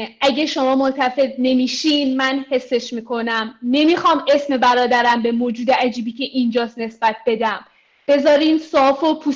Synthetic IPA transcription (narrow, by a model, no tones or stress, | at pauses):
ʔæɟeʃo̞mɒːmont̪ʰæfe̞d̪̚ne̞miːʃinmænhe̞sːe̞ʃmiːkʰo̞næmne̞miːxɒːme̞sme̞bæɾɒːd̪æɾæmbe̞moːd͡ʒuːd̪eæd͡ʒiːbiːcʰe̞ʔind͡ʒɒːst̪ne̞sb̥æt̪̚be̞d̪æm | b̥e̞zɒːɾiːnsɒːfopʰu